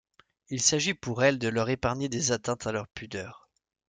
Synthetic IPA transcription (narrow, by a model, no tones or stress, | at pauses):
ilsaʒipuʁɛld̪əlœʁepaʁɲed̪ezat̪ɛ̃t̪alœʁpyd̪œːʁ